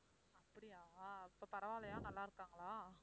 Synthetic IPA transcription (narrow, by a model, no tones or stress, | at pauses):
ɐpːɐɽijaːɪpːɐpɐɾɐʋaːlɐjaːnɐlːãːɪɾɯkːaːŋɡɐɭaː